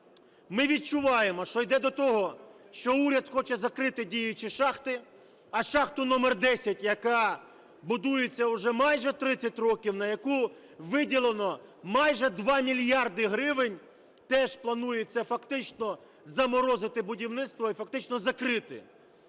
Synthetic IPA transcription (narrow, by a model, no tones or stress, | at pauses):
mɪʋʲid̪̚t͡ʃʊʋɑjemɔʃt͡ʃɔjd̪ɛd̪ɔt̪ɔɦɔ | ʃt͡ʃɔuɾʲɐd̪xɔt͡ʃɛzɐkɾɪt̪ɪdʲijʊt͡ʃiʃɑxt̪ɪ | ɐʃɑxt̪ʊnɔmɛrd̪ɛsʲɐtʲjɐkɑ | bʊd̪ujet͡sʲːɐʊʒɛmɑjʒɛt̪ɾɪt͡sʲːɐt̚ʲrɔkʲiwnɐjɐku | ʋɪdʲilˠenɔmɑjʒɛd̪ʋɑmʲilʲjɑrd̪ɪɦɾɪʋɪnʲ | t̪ɛʒplˠɐnujet͡sʲːɐfɐkt̪ɪt͡ʃnɔ | zɐmɔɾɔzɪt̪ɪbʊdʲiwnɪt̪st̪ʋɔifɐkt̪ɪt͡ʃnɔzɐkɾɪt̪ɪ̰